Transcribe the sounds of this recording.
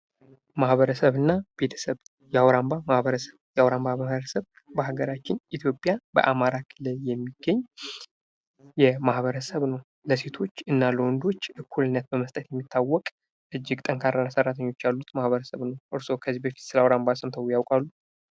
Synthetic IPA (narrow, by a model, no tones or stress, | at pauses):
mahβəɾəsəβɨnːab̥e̞t̪ʰə̥səβ | jɛawɾambamahβəɾəsəβjɛʔawɾambahaβəɾəsəβ | bəhaɡəɾat͡ʃːɪnʔit̪ʰjo̞pʼjabə̰ʔamaɾakʰɨlːəjɛmːiɡ̥ːəɲː | jɛmahβəɾəsəβnəw | ləse̞t̪ʰo̞t͡ʃːɨnːaləwɔnd̪o̞t͡ʃːʔɨkʰːulɨnːət̪̚bəməst̪ʼət̪jɛmːit̪ʰːawːɔkʼ | ʔɨd͡ʒːɪɡt̪ʼəŋkʰaɾːanasərːat̪ʰəɲːo̞t͡ʃːjalːut̪mahβəɾəsəβnəwʔɨɾso̞kʰəzːibəfi̥t̪sɨləawɾambasəmt̪ʰəwjawkʼalːu